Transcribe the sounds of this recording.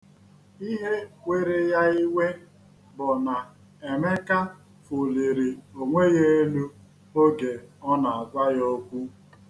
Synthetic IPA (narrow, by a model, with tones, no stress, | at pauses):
i˦ɦe˦we˦ɾe˦ja˦i˦we˦ | bʊ˨na˨ | e˨me˦ka˦ | fu˨li˨ɾi˨o˨ŋʷe˦je˦e˦lu˦ | o˦ɡe˨ɔ˦na˨a˨za˦jo˦kʷu˦